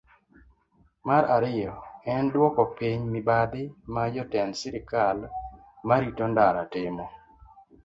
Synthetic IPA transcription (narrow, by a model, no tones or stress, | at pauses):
maɾaɾɪjɔɛndwɔkɔpiɲmɪbad̪ɪmad͡ʒɔtɛnsɪɾɪkal | maɾitondaɾatɪmɔ